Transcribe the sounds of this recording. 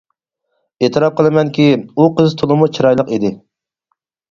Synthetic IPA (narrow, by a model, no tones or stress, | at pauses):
et̪ʰɨɾɑp̚qəlˠɨmɛnkʲiuqʰəzt̪ʰolˠɨmut͡ʃʰiɾɑjlˠəqid̪ɪ